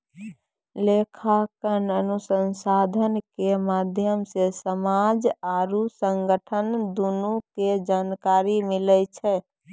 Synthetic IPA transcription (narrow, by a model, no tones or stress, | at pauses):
lekʰakənənusənsad̪ʱənkemaːd̪ʱjəmsesəmad͡ʒaːɾusəŋɡəʈʰənd̪unuked͡ʒaːnkaɾimilɛt͡ʃʰɛ